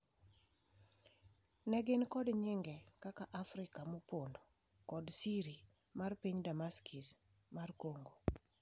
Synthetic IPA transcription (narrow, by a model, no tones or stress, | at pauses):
nɛɡɪnkɔdɲɪŋɡɛkakaʔafɾɪkamopondo | kɔdsiɾi | marpiɲdamaskʰis | markoŋɡo